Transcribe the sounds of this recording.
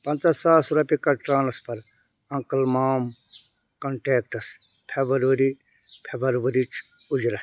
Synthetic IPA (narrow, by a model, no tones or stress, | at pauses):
pɐ̃nt̪ɐsaːsɾɐpikɐʈɾaːnɐspɐɾ | ɐŋkɐlmaːm | kɐɳʈeːk̚ʈɐs | pʰebɐɾʋɐɾi | pʰebɐɾʋɐɾit͡ʃ | ud͡ʒɾɐ